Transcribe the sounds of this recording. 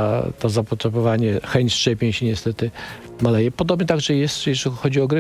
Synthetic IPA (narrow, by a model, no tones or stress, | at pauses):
t̪ɔzapɔt̪ʂɛbɔvaɲɛxɛɲt͡ɕst͡ʂɛpʲeɲɕɛɲɛst̪ɛt̪ɘ | malɛjɛpɔd̪ɔbɲɛt̪aɡʐɛjɛst̪jɛʒʲixɔd͡ʑiɔɡɾɘ